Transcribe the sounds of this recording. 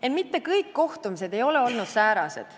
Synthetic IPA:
enmit̪ːe̞kɤjkːo̞ht̪umis̬e̞d̪e̞jo̞le̞o̞lnud̪̥sæːɾɑse̞̰d̪̥

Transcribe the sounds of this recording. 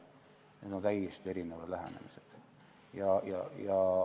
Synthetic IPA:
ned̪ont̪æjest̪eɾinevɑd̥̪læhɦæ̰nḛmised̪̥ | jɑjɑjɑ

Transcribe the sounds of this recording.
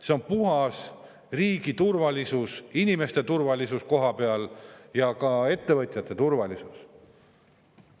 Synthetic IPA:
se̞o̞npuɦɑs | riːɡit̪urvɑlisusinʲime̞st̪e̞t̪urvɑlisusko̞ɦɑpeɑljɑkɑe̞t̪ːe̞vɤt̪ʲˑjɑt̪ːˑe̞t̪urvɑlisus

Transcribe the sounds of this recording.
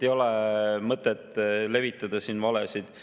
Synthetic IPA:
ejo̞lɛmɤt̪ːˑet̪ːˑle̞vit̪ːˑɑd̪̥ɑsiːnvɑlesid̪̥

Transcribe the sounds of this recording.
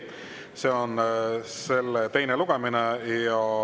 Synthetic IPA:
se̞o̞nse̞lːet̪e̞jneluɡ̥eminejɑ

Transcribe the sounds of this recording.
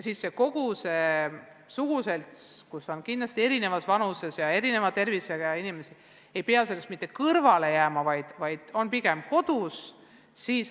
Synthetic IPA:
jɑsisːe̞ko̞ɡ̥use̞ | suɡ̥use̞lt̪kuso̞nkind̪lɑst̪ie̞ɾine̞vɑsvɑnuse̞sjɑe̞ɾine̞vɑt̪ːe̞rviseɡ̥ɑinime̞si | e̞jpeɑse̞le̞st̪mit̪ːˑe̞kɤrvɑle̞jæːmɑvɑjd̪̥vɑjd̪̥o̞npiɡ̥e̞mko̞d̪̥us | siːs

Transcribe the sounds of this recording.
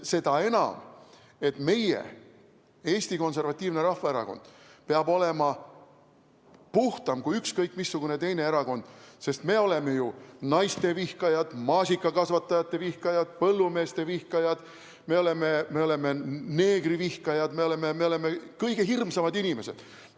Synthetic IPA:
se̞d̪̥ɑe̞nɑ̰m | e̞t̪me̞jḛ | e̞ːsʲt̪iko̞ns̬e̞rvɑt̪ʲˑːiːvne̞ɾɑhvɑeɾɑ̰ko̞nd̪̥ | peɑbo̞lemɑ | puht̪ɑmkujykskɤjkːˑmisːuɡ̥une̞t̪e̞jne̞eɾɑko̞nd̪̥se̞st̪me̞o̞le̞me̞junɑjst̪e̞vihkɑjɑd̪̥mɑːsʲikːˑɑkɑsvɑt̪ːɑjɑt̪ˑːe̞vihkɑjɑd̪̥̚pɤlːume̞ːst̪e̞vihkɑjɑd̪̥ | me̞o̞leme̞me̞o̞le̞me̞ne̞ːɡrivihkɑjɑd̪̥me̞o̞lememe̞o̞le̞mekɤjɡ̥e̞ɦirmsɑmɑd̪inʲime̞se̞̰d̪̥

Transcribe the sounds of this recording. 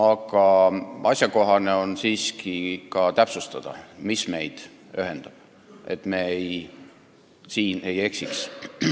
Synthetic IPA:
ɑɡ̥ɑɑsʲjɑko̞ɦɑne̞onsiːskikɑt̪æpsust̪ɑd̪̥ɑ̰misme̞jd̪̥ | øɦe̞nd̪̥ɑb̥ | e̞̰t̪me̞ej | siːne̞je̞ksiks

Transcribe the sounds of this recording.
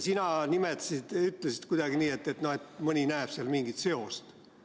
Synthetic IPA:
sinɑnimet̪ːˑɑ̥sid̪̥yt̪ːˑlesi̥d̪kud̪̥ɑɡ̥iniːe̞t̪ːe̞t̪no̞he̞t̪mɤnʲinæepseɑlmiŋɡit̪se̞o̞st̪

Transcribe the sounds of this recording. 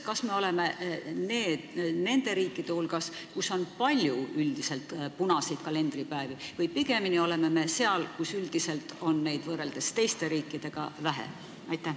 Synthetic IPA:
kɑsme̞o̞le̞me̞ne̞ːd̪̥ne̞nd̪̥e̞ɾiːkːˑid̪̥e̞hulɡ̥ɑskusːo̞npɑlʲjuyld̪̥ise̞lt̪ˑpunɑsid̪̥kɑle̞nd̪ripæevivɯjpiɡe̞minio̞le̞me̞me̞seɑlkusyld̪̥ise̞lt̪ˑo̞nːe̞jd̪vɤːɾe̞ld̪e̞st̪e̞jst̪e̞ɾiːkːˑid̪̥e̞ɡ̥ɑ̰væɦḛ | ɑjt̪ːˑæh

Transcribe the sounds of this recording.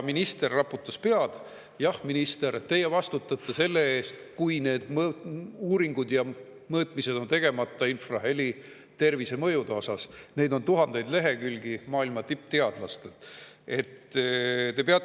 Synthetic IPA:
minist̪e̞rːɑpːˑut̪ːˑɑspeɑd̪̥ | jɑhminist̪e̞ɾett̪ːe̞jevɑst̪ut̪ːˑɑt̪ːˑese̞lːe̞eːst̪kujne̞ːd̪̥muːɾiŋɡud̪jɑ | mɤːt̪mise̞d̪̥o̞nt̪e̞ɡ̥e̞mɑt̪ːˑɑinfrɑɦe̞li | t̪e̞rvise̞mɤjud̪eosɑsne̞jd̪o̞nt̪uɦɑnd̪̥e̞jd̪le̞ɦe̞kylʲɡ̥imɑːilmɑt̪ip̚ːˑt̪e̞ɑd̪̥lɑst̪ee̞t̪ | t̪e̞peɑ

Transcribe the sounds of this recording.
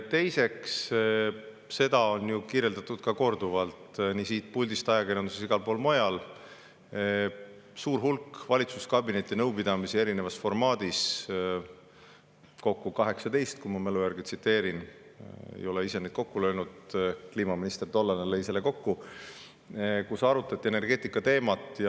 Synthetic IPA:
t̪e̞jse̞ks | se̞d̪̥ɑo̞njukiːɾje̞ld̪ɑt̪ːˑud̪̥̚kɑko̞rd̪̥uvɑlt̪niːsiːt̪̚pulʲd̪ist̪ɑjɑkeɾjɑnd̪uses̬iɡ̥ɑlpo̞ːlmojɑl | suːɾɦulkvɑlʲit̪suskɑbine̞t̪ːˑinɤwpid̪ɑmisie̞ɾinevɑsfo̞rmɑːd̪̥is | ko̞kːukɑɦe̞ksɑt̪e̞jst̪kumɑme̞lujærɡ̥et̪sit̪ːˑe̞ːɾin | ḛjo̞leise̞net̪ko̞kːulø̞ːnud̪̥kliːmɑminist̪erd̪o̞lːɑnelejselːeko̞kːu | kusɑɾut̪ːˑɑt̪ʲːie̞ne̞rɡ̥e̞ːt̪ːˑikːˑɑt̪e̞ːmɑt̪ːˑj

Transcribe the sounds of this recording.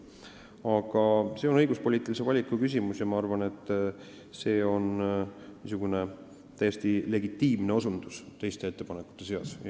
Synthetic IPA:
ɑɡ̥ɑse̞oɤ̞jɡ̥uspo̞liːt̪ːˑilise̞vɑlʲikːˑukys̬ʲimusjɑmɑɑrvɑne̞t̪ːˑ | se̞ːo̞nmisuɡ̥une̞ | t̪æjːest̪ile̞ɡit̪ːiːmne̞o̞sund̪̥ust̪e̞jst̪e̞e̞t̪ːe̞pɑnekːˑu̥t̪ˑːe̞se̞ɑ̰s

